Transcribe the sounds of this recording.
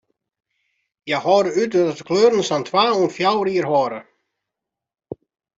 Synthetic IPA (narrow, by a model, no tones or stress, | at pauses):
jahɔːɾəytɾatkʰløːɾnəsant̪ʰwaːunfjawɾiəɾɦɔɾə